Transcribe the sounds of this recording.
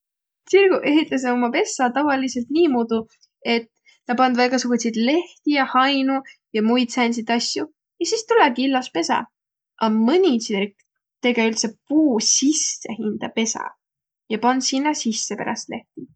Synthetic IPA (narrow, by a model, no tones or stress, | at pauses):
sirɡ̥uʔe̞ɦit̪ːˑɑs̬eomɑpe̞sːɑt̪ɑvɑlise̞lt̪niːmud̪u | e̞t̪ː | t̪ɑpɑnd̪vɑjɡɑsuɡ̥usʲid̪̥le̞ht̪ijɑhɑjnujɑmujd̪sænʲs̬id̪ɑsʲju | jɑsist̪uleɡiilːɑspe̞sɑ̰ | ʔɑmɤnʲisirk | t̪e̞ɡeylt̪se̞puːsisːe̞hind̪̥ɑpe̞sɑ̰ | jɑpɑnd̪sinːɑsisːe̞pḛɾɑ̰st̪le̞ht̪i